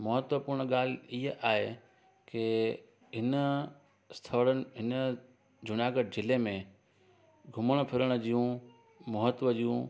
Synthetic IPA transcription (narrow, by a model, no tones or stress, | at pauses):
mɐɦət̪ʋəpʊɾɳ̃ɠaːliɦəʔaːɦe | ke | ɦɪnə | st̪ʰəɽənɪ̆ɦɪnə | d͡ʑʱʊnaːɡəʈ̚d͡ʑɪlemẽ | ɡʱʊməɽ̃̆pʰɪɾəɽ̃d͡ʑijũ | mɐɦət̪ʋəd͡ʑijũ